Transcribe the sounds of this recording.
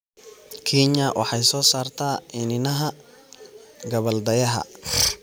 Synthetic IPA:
kʰiɲɐwʔɑ̰ħɑjsɔːsaːrt̪ʰaːɪnɪnɐɦɐ | ɡɐβɐld̪ɐjɐɦɐ̰

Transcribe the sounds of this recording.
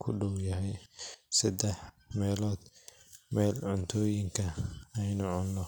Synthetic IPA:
kʰʊɖɔwjɐɦɛjsɐd̪ɛħmɛːlɔːd̪ | mɛːlʕʊnt̪ʰɔːjɪŋkʰɐɛjnʊʕʊnːɔ

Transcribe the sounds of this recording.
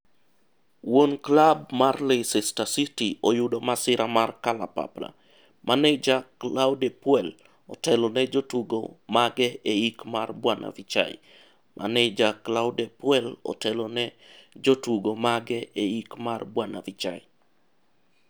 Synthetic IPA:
wonklab̚marlesɛstasitiojʊdɔmasɪɾamarkala̰pa̰pla̰ | mʔanɛd͡ʒaklawdɛpwɛl | ɔ̰tɛlɔnɛd͡ʒotuɡo̰maɡɛeikmarbwanʔa̰vit͡ʃa̰ḭ | mʔa̰nɛd͡ʒaklaʊdɛpwɛlɔ̰tɛlɔnɛ | d͡ʒotuɡomaɡɛeikmarbwana̰vit͡ʃa̰ɪ

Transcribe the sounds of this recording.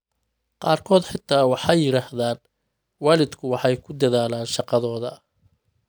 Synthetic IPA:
qɑːrkʰɔːd̪ħɪt̪ʰːaːwɑħɑjɪɾaːhðaːn | waːlɪd̪kʰʊwɑħɑjkʰʊd̪ɐðaːlaːnʃɑqɑðɔːðɐ

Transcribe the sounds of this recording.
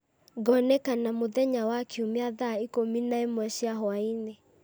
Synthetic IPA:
ɡɔnɛkanamoðɛɲawakeumeaðaikominaemwɛʃiaɦɔaine

